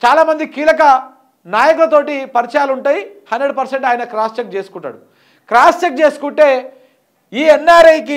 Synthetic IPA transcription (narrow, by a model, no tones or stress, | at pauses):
t͡ʃaːlaːmɐnd̪ikiːlɐkɐ | naːjɐkulɐt̪o̞ːʈipɐɾit͡ʃɐjaːluɳʈaːjihɐnɖɾeɖpɐɾseɳʈaːjɐnɐkɾaːst͡ʃek̚t͡ʃe̞ːsu̥kuɳʈːa̰ːɽu | kɾaːst͡ʃek̚t͡ʃeːsu̥kuɳʈe̞ː | iːɛnːaːɾɐjki